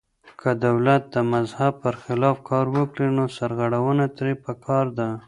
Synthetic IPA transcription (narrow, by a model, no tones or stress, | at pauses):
kʰəd̪awlat̪̚d̪əmazhab̚pəɾxɪlɑfkʰɑɾwəkɽinosaɾɣaɽawənat̪ɾepəkʰɑɾd̪a